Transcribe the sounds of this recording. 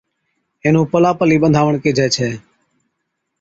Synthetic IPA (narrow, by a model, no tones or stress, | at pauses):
ẽːnũːpəlaːpəliːɓənd̪ʱaːʋəɳkeːd͡ʒʱɛːt͡ʃʰɛː